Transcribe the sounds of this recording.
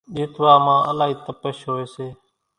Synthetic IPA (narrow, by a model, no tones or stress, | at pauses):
ɗeːt̪ʋaːmãːʔəlaːɦiːt̪əpəʃɦoːeːseː